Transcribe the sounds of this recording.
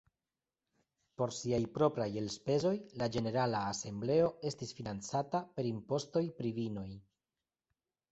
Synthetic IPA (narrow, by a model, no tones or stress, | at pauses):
po̞ɾsiajpɾo̞pɾaje̞lspe̞zo̞jlad͡ʒe̞ne̞ɾalaːse̞mble̞o̞e̞stisfinant͡satape̞ɾimpo̞sto̞jpɾivino̞j